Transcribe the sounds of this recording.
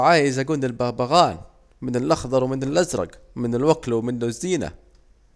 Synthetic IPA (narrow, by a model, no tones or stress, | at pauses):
ʕaːjaʔɪzaɡuːndɪlbabaɣaːn | mɪnɪlʔɑxðˤɑɾˤwmɪnɪlʔazɾˤɑ̰ɡ | mɪnɪlwaklwmɪnːʊzːiːna̰